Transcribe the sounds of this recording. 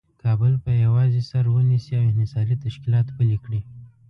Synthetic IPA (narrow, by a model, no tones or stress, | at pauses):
kʰɑbəlpəjawɑzesaɾwənisiawɪnɪsɑlit̪aʃkɪlɑt̪pəlikɽi